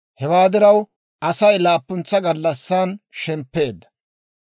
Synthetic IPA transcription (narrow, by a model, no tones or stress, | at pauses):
hɛwaːd̪ɪɾɐw | ʔɐsɐjlaːpːʊnt͡sːɐɡɐlːɐsːaːnʃɛmpːe̞ːd̪ːɐ̥